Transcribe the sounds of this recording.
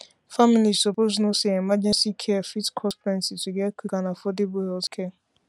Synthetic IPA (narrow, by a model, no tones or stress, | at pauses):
familisɔpoznoseemad͡ʒensikʰɛafitkʰɔsfɾɛ̃nsituɡekukanafodɪbuɔlskʰe